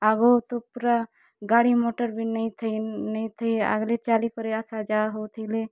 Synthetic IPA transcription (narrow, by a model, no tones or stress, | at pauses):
aɡot̪opuɾa | ɡaːɽimoʈəɾbʱinəit̪ʰnəit̪ʰəia̰ɡlet͡ʃaːlikɔɾeasad͡ʒaːɦowt̪ʰəile